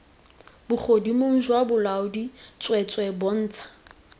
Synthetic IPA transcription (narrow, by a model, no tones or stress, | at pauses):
b̥ʊk͡xʰodimoŋ̩ʒwabʊlaʊdit͡sʼwɛt͡sʼwɛbɔn̩ːt͡sʰḁ